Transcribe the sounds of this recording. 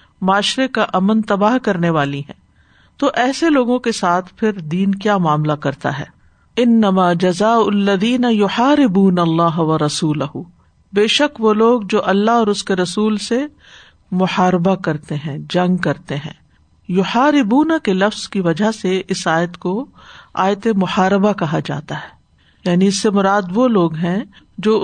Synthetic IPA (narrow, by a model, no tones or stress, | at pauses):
mʊaːʃɾekaʔɐmənt̪ɐbaːɦkɐɾneʋaːliɦɛ̰̃ː | t̪oːʔɛːseloːɡõkesaːt̪ʰpʰɪɾd̪iːnkjaːmaːmlakɐɾt̪a̰ɦɛ̰ː | ɪnːɐmaːd͡ʒɐzaːʊlːɐðiːnɐjʊħaːɾɪbuːnɐlːaːɦʋɐɾɐsuːlɐɦu | beːʃəkʋoːloːɡd͡ʒoːʔɐlːaɦɔːɾʊskeɾɐsuːlse | mʊħaːɾɪbakɐɾt̪eɦɛ̃ːd͡ʒɐ̃ŋɡkɐɾt̪eɦɛ̰̃ː | jʊħaːɾɪbuːnakelɐfz̥kiʋɐd͡ʒʱaɦseʔɪsaːjət̪ko | a̰ːjt̪emʊħaːɾɪbakɐɦad͡ʒa̰ːt̪aɦɛː | jaːniɪsːemʊɾaːd̪ʋoloːɡɦɛ̃ | d͡ʒoː